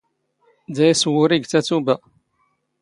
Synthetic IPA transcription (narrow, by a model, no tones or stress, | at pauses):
d̪æjswʊɾiɡt͡sæt͡subæ